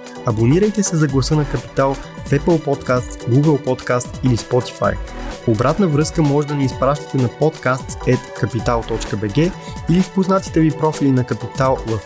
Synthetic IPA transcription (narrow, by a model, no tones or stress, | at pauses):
ɐboniɾəjt̪ɛsɛzɐɡlˠɐsɤnɐkɐpi̥t̪alˠɛpəlˠpɔt̪kast̪sɡuɡəlˠpɔt̪kast̪ilispɔt̪i̥fa̰jobɾat̪nəvɾɤskəmɔʒɛd̪ɐniːspɾaʃt̪i̥t̪ɛnɐpɔt̪kast̪sɛt̪kɐpit̪alˠt̪ɔt͡ʃkəbɛɡɛilifpoznat̪i̥t̪ɛvipɾɔfilinɐkɐpit̪alˠvɐf